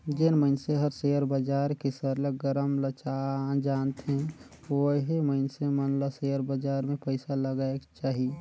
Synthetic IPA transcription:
d͡ʒenməɪnseɦəɾseəɾbəd͡ʒaːɾkisəɾleɡəɾəmlət͡ʃad͡ʒaːnt̪ɦɛ | oɦiməɪnsemənlaseəɾbəd͡ʒaːɾmẽpəɪsaləɡaekt͡ʃaːɦi

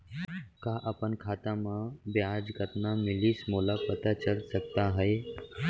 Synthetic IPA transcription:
kaːʔəpənkʰaːt̪ãmãbjaːd͡ʒɡət̪namɪliːsmolapət̪at͡ʃəɾsəkt̪aɦəe

